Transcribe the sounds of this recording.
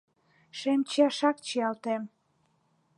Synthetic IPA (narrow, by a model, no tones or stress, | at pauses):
ʃemt͡ɕɑʃɑk̚t͡ɕiɑlt̪em